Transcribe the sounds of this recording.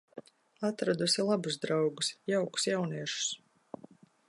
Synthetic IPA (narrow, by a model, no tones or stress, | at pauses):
at̪ɾad̪usilˠabuzd̪ɾawɡusjawku̥sjawniɛʃu̥s